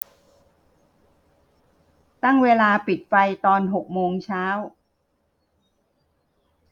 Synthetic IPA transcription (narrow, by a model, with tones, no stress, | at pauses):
t̪a˥˩ŋweː˧laː˧pi˨˩t̪̚pa˧jt̪ɔː˧nɦo˨˩k̚moː˧ŋt͡ɕʰaː˦˥w